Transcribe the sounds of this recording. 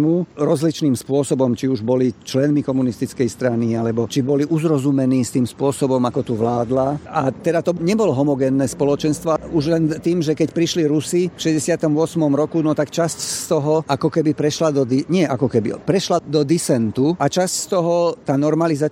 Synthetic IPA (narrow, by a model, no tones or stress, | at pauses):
muɾɔzlit͡ʃniːmspʊɔsɔbɔmt͡ʃiuʒbɔlit͡ʃlɛnmikɔmunist̪it͡skɛjst̪ɾanialɛbɔt͡ʃibɔliʔuzɾɔzumɛniːst̪iːmspʊɔsɔbɔmakɔt̪uʋlaːd̪laat̪ɛd̪at̪ɔɲɛbɔlɔɦɔmɔɡɛːnːɛːspɔlɔt͡ʃɛnst̪ʋɔuʒlɛnt̪iːmʒɛkɛcpɾiʃliɾusifʃɛzɟɛsɪat̪ɔmʊɔsmɔmɾɔkunɔt̪akt͡ʃascst̪ɔɦɔʔakɔkɛbipɾɛʃlad̪ɔd̪iɲɪɛʔakɔkɛbḭpɾɛʃlad̪ɔd̪isɛnt̪uat͡ʃascst̪ɔɦɔt̪aːnɔɾmaliza